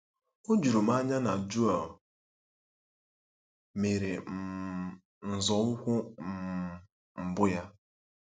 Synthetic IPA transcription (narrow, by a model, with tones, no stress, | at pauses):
o˦d͡ʒu˨ɾu˨m˦a˦ɲa˦na˨d͡ʒu˦a˨ | me˨ɾe˨ | n̩˨zɔ˨lʊ˦kʷʊ˦˨ | m̩˨bʊ˦ja˦